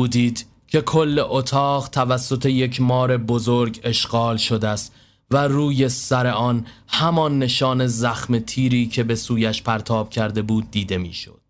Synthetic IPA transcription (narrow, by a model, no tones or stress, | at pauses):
uːd̪iːd̪̥ | cʰe̞kʰo̞lːe̞ʔot̪ʰɒːɣt̪ʰævæsːo̞t̪ʰe̞je̞cʰmɒːɾe̞bozoɾɡe̞ʃɢɒːlʃo̞d̪æst̪ | væruːje̞sæɾe̞ʔɒːnhæmɒnːe̞ʃɒːne̞zæxme̞t̪ʰiːɾiːcʰe̞be̞suːjæʃpʰæɾt̪ʰɒːb̥̚cʰæɾd̪e̞buːd̪̚ːiːd̪e̞mḭːʃo̰d̪̥